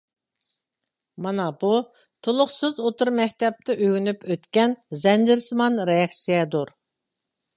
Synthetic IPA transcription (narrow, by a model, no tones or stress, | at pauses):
mɑnɑbu | t̪ʰolˠʊχsɨzot̪ʊɾmɛkʲt̪ɛp̚t̪ʰɪʔøɡʲynypʰøt̪kʲɛnzɛnd͡ʒɪɾsmɑnɾejɑksijɛd̪uɾ